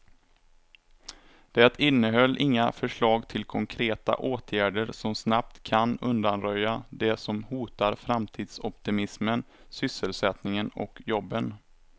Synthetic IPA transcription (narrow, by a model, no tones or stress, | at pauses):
d̪̥ɛɛt̪ɪnːəɦœlːʔɪŋːafœʂɭɑːɡt̪ʰɪlkʰɔŋkʰɾeːt̪a̰ʔoːt̪ʰjæːɖəɾsɔmsnap̚t̪kʰanɵnd̪anɾœjad̪ɛsɔmhuːt̪aɾfɾamt̪ʰiːd̪̥sɔpt̪ɪmɪsmən | sʏsːəlsɛt̪nɪŋənɔ̰kjɔbːən